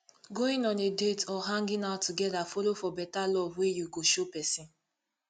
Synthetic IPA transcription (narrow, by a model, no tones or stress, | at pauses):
ɡoɪ̃nɔ̃nedetɔɦãŋɡɪ̃naʊtuɡɛdafɔlofɔbɛtalɔvwejuɡoʃopɛsĩn